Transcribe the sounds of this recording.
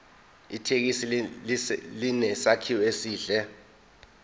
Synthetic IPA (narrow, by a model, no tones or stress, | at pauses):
itʰek̬isi | linɛsakʰiwɔesiːɮɛ